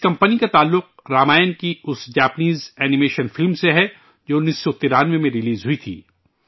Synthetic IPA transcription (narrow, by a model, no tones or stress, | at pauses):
ɪskɐ̃mpənikat̪aːlːʊq̚ | ɾaːmaːjnkiʊsd͡ʒaːpniːzɛːnimeːʃənfɪlmseɦɛ | d͡ʒoːnisːot̪iɾaːnʋẽmẽɾɪliːzɦʊit̪ʰḭː